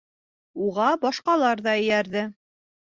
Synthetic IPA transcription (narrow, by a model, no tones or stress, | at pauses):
uʁɑbɒʃqɑlˠɑɾðɑɘ̆jæɾðɘ